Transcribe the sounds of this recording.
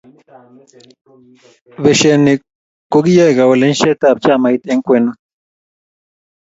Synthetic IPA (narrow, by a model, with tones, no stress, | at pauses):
βɛ˨ʃe˨ni˨ | ko˦ɡi˦ja˦jɣa˨we˨le˦nʃɛ˦t̪a˦˨p̚t͡ʃa˦˨ma˨i˦t̪e˦ŋ˦kwɛ˦nu˦